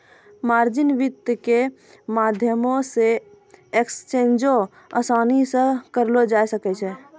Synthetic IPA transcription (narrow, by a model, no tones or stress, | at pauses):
maɾd͡ʒɪnʋɪt̪ːke | mad̪ʱjəmõse | ekst͡ʃend͡ʒo | əsanisə̃kəɾlod͡ʒajsəkɛt͡ʃʰɛ